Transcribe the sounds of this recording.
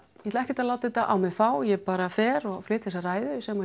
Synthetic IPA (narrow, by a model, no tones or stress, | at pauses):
jhɛt̪laɛhcɛt̪alaːwt̪ɛt̪aʔa̰wmɪðfaːwjɛpaːɾafɛːɾɔɣflɪːt̪θɛsaraːjðʏsɛma